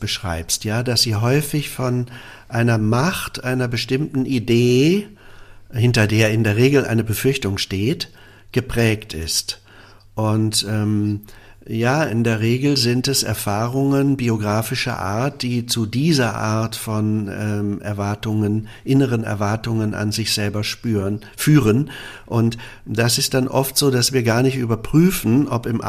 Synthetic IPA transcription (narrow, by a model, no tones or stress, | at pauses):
b̥əʃʁ̥a̰ɪpstjaːdasz̥iːɦɔʏfɪçfɔn | ʔaɪnɐmaχtʔaɪnɐbəʃtɪmtn̩ʔideː | hɪntɐdeːɐɪndeːɐʁ̞eːɡl̩ʔa̰ɪnəbəfʏɐçtʊŋʃteːt | ɡ̥əpʁ̥ɛːktɪ̰st | ʔʊntʔɛːm | jaːʔɪndeːɐʁeːɡl̩zɪntɛsɛ̰ɐfaːʁʊŋənbioɡʁaːfɪʃɐ̰ʔa̰ːɐt̚d̥iːt͡sudiːzɐʔa̰ɐtfɔnɛːmʔɛ̰ɐvaɐtʊŋən | ʔɪnəʁənɛ̰ɐvaɐtʊŋənʔa̰nzɪçz̥ɛlbɐʃpː | fyːʁənʔʊnt | d̥asɪst̚d̥anʔɔftz̥oːdasv̥iːɐɡaːɐnɪçtʔyːbɐpʁ̥yːfn̩ʔɔpɪmʔ